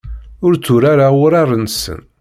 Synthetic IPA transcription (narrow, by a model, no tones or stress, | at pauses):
ʊɾt͡sːʊɾaɾaʊɾarˤənsə̰n